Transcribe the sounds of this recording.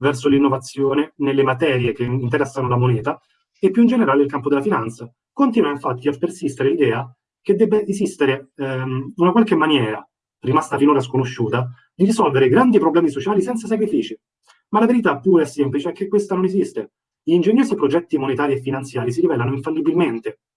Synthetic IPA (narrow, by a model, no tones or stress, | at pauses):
vɛrsolinːovat̪sːjoːnenelːemat̪ɛːɾjek̟eint̪eɾɛsːanolamonɛːt̪a | epːjuind͡ʒeneɾaːleilkampod̪elːafinant̪sa | kont̪iːnwaiɱfat̪ːiapːersist̪eɾelid̪ɛːa | k̟ed̪ːɛbːaʔezist̪eɾe | unakwalkemːanjɛːɾa | rimast̪afinoːɾas̬konoʃːuːt̪a | d̪iɾisɔlveɾeɡɾand̪ipɾoblɛːmisot͡ʃaːlisɛnt̪sasakɾifiːt͡ʃi | malaveɾit̪apːuːɾeɛsːemplit͡ʃeɛkːekːwest̪anonezist̪e | ʎiːnd͡ʒeɲːoːsipɾod͡ʒɛt̪ːimonet̪aːɾiefːinant̪sjaːɾisiɾivɛːlanoiɱfalːibilment̪e